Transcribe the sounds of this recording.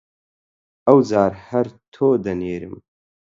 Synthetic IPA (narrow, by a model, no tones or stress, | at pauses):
ɐwd͡zaːɾhɐɾt̪ʰoːd̪ɐneːɾɨ̰m